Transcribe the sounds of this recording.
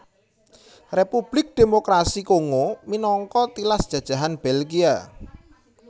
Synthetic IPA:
repub̥lɪk̚d̪̥e̤mokɾasikoŋominɔŋkɔt̪ilasd̥ʒ̥ä̤d̥ʒ̥ä̤ɦanb̥elɡia

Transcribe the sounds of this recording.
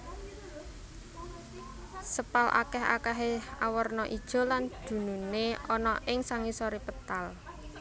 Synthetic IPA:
səpalʔa̰kɛɦa̰kaɦea̰wərnɔʔid̥ʒ̥ɔ̤land̪̥ṳnuneɔnɔʔɪŋsaŋisɔɾipət̪al

